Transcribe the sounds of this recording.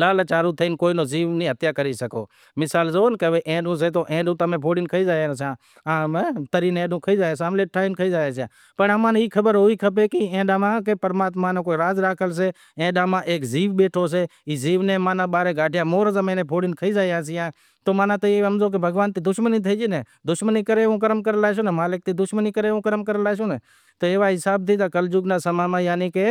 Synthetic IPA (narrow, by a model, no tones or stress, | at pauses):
laːlət͡ʃaːɾuːt̪ʰəiːnkoːinoːziːʋnĩːɦət̪jaːkəɾiːsəko̰ː | mɪsaːlzoːnkəʋeːʔẽːɗũːs̬eːt̪oːʔẽːɗũːt̪əmẽːpʰoːɽɪnkʰəiːzaːjaːns̬ãː | aːt̪əɾiːnẽːɗũːkʰəiːzaːeːs̬ãːmleːʈʰaːinkʰəiːzaːeːsjã̰ː | pəɳəmãːniːkʰəbəɾɦoːiːkʰəp̬eːkiẽːɗãːmãːkepəɾmaːt̪mãːnẽkoːiɾaːzɾaːkʰəls̬eː | ẽːɗãːmãːʔeːkziːʋɓeːʈʰoːs̬eːiːziːʋnẽːmaːnãːɓaːɾeːɡaːʈʰɪjãːmoːɾzəmə̃ːnẽːpʰoːɽɪnkʰəiːd͡ʒaːjãːs̬ɪjãː | t̪oːmãːnãːt̪oiəmzoːk̬ebʱəɡʋaːnt̪iːd̪ʊʃməniːt̪ʰəid͡ʒiːneː | d̪ʊʃməniːkəɾeːʋũːkəɾəmkəɾəlaːʃ̬oːneːmaːlɪk̚t̪iːd̪ʊʃməniːkəɾeːõːkəɾəmkəɾəlaːsoːneː | t̪oːeːʋaːɦɪsaːb̚t̪iːd͡ʒ̪aːkəld͡ʒʊɡnaːsəmaːmãːjaːniːkeː